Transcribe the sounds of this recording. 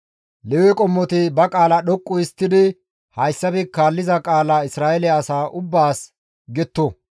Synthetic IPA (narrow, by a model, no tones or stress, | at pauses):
lɛwɛkʼɔmːɔt̪ɪbɐkʼaːlɐɗɔkʼːʊɪst̪ːɪd̪ɪ | hɐjsːɐbɪkaːlːɪzɐkʼaːlɐɪsɾaːjɛlɛɐsaːʔʊbːaːs | ɡɛt̪ːɔ